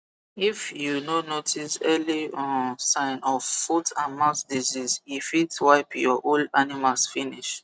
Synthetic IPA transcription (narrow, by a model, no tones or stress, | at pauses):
ifjunonotʰisɛliɔ̃nsãɪ̃nɔvfutʰãnmãtdizizifitwaɪpjɔʔolanimalsfiniʃ